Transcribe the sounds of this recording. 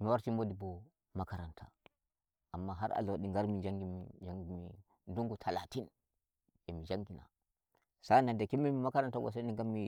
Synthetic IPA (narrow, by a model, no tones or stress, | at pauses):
miwaɾtimodibɔ | makaɾantʰa̰ | ʔamːaɦaɾʔa̰loɗiŋɡaɾmid͡ʒaŋɡimd͡ʒaŋɡimi | nduŋɡutʰalatin | ɛmid͡ʒaŋɡina̰ | sanandakimːimimakaɾantabɔ̰s̬aniŋɡamːi